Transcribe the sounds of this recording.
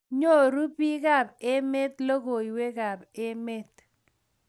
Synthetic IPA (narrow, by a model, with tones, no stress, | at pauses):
ɲo˦˨ɾu˦pi˦ka˦˨b̚e˦me˦t̪lo˦ko˨i˨we˦ka˨be˦me˦t̪